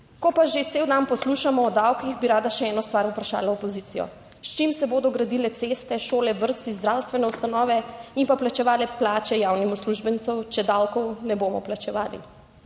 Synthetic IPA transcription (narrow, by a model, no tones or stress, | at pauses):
kɔpaʒet̪seːwd̪anpɔsluːʃamɔːd̪awkixbiɾaːd̪aʃɛɛːnɔst̪ʋaːɾupɾaʃa̰ːlaɔpɔziːt̪ijɔ̰ | st͡ʃimsɛboːd̪ɔɡɾad̪ilɛt̪seːst̪ɛʃoːlɛʋəɾt̪sizd̪ɾawst̪ʋɛnɛust̪anɔːʋɛimpaplat͡ʃɛʋaːlɛplaːt͡ʃɛjawnimusluʒbɛnt̪sɔwt͡ʃɛd̪awkɔwnɛboːmɔ̰plat͡ʃɛʋaːlḭ